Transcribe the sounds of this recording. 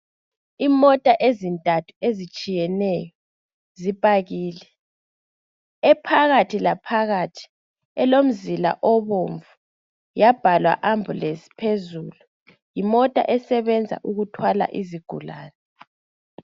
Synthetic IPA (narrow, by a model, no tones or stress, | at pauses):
imɔtʼaʔezintʼatʰu̥ezit͡ʃʼijɛnɛjɔ | zipʼaɣiːlɛ | ɛpʰaɣatʰilapʰaɣatʰi̥ | ɛlom̩zila̰ʔɔβoɱvu | jab̥ʱalwa̰ʔambʱulesi̥pʰezuːlu | jimɔtʼa̰ʔɛsɛβɛnd͡zʱa̰ʔuɣutʰwala̰ʔiziɡ̥ʱṵla̰ːnɛ